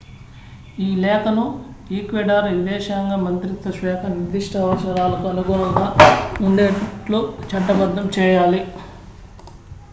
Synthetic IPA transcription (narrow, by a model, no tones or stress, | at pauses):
iːlɛːkɐnu | iːkʋɛɖaːɾʋid̪ɛːʂaːŋɡaːmɐnt̪ɾit̪ːɐʃʋɛːkʰɐniɾd̪iʂʈʰɐɐʋɐʃɐɾaːlɐkuɐnuɡuɳɐŋɡaːuɳɖeːʈlut͡ʃɐʈːɐbɐd̪ʱːɐmt͡ʃɛːjaːli